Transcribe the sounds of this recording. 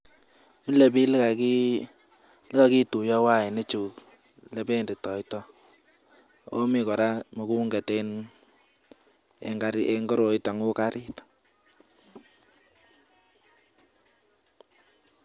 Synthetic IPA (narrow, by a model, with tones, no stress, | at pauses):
mi˦le˨bi˦lka˨ki˦ | lɪ˦ka˨ki˦tu˨jɔ˦wa˦˨e˨ne˦t͡ʃu˨ | le˨pe˦nde˨tɔ˨i˦tɔ˦ | o˦mi˨kɔ˨ɾa˦mo˨ku˦ŋɡɛ˨te˦n | ḛŋɡaɾeŋɡɔ˦ɾo˨i˦ta˨ŋu˦ka˦ɾi˦t